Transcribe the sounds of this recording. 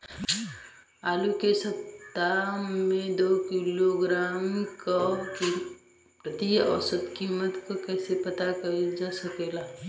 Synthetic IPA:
aːlukesət̪ːamẽd̪oːkiloɡɾaːmkoki | pɾət̪iɔ̰sət̪kiːmət̪kokɛːsepɐt̪akɐd͡ʒasəkeːla

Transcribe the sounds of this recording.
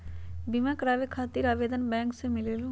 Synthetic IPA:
bimãkəɾaːʋekʰaːt̪iːɾaːʋeːd̪ənbɛ̃ːŋksemɪleːlũ

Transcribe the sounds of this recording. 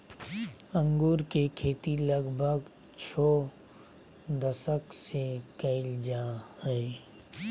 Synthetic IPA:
ə̃ŋɡuːɾkekʰeːt̪iləɡbʱəɡ | t͡ʃʰoː | d̪əsəksekɐɪld͡ʒahɛɛ

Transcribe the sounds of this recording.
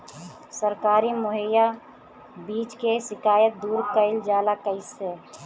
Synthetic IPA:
səɾkaːɾimʊɦəja | biːt͡ʃkesɪkaːjət̪̚d̪uːɾkəɪld͡ʒaːlakəɪse

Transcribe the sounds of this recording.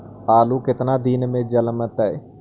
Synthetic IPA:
aːlukɪt̪nad̪iːnmẽd͡ʒəlmət̪ɛː

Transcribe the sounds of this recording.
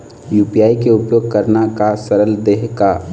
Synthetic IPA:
juːpijaːikeʊpjoːɡ̚kəɾnakasəɾəld̪eːɦka

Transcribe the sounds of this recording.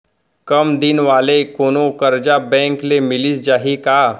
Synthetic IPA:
kəmd̪inʋalekonokəɾd͡ʑabɛ̃ŋklemilisd͡ʑaɦika

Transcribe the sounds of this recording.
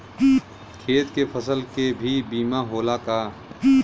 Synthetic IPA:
kʰeːt̪kepʰəsəlkebʱibiːmaɦoːlakaː

